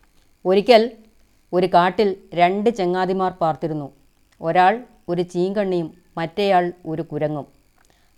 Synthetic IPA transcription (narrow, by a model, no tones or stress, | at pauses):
o̞ɾikʲːɐl | o̞ɾukaːʈːilɾe̞ɳɖɨt͡ɕe̞ŋːaːd̪imaːrpaːrt̪iɾunːu | o̞ɾaːɭ | o̞ɾut͡ɕiːŋɡɐɳːijumːɐtːejaːɭo̞ɾukuɾɐŋːum